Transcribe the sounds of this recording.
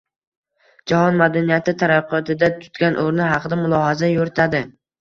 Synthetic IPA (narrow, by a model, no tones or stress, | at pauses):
d͡ʒahɒnmad̪anijat̪ʰɪt̪ʰaɾaqʰɒt̪ʰɪd̪at̪ʰʊ̥t̪ɡʲanʔoɾnɪɦɑqʰɨd̪amʊlˠɒhazajoɾɪt̪ʰad̪ɪ